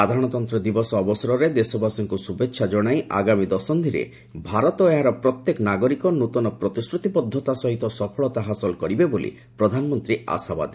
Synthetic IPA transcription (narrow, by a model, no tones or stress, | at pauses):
ad̪ʱaɾɔɽ̃ɔt̪ɔnt̪ɾɔd̪ibɔsɔːbɔsɔɾɔɾed̪esɔbasɔŋkusubetːʃʰad͡ʒɔɽ̃ajʔa̰ɡamid̪ɔsɔnd̪ʱiɾḛ | bʱaɾɔt̪ɔeɦaɾɔpɾɔt̪jekɔnaɡɔɾikɔnut̪ɔnɔpɾɔt̪iskɾut̪ipɔd̪ʱːɔt̪asɔɦit̪ɔsɔpʰɔɭɔt̪aɦasɔlkɔɾibebolḭ | pɾɔd̪ʱanɔmɔnt̪ɾia̰saba̰d̪e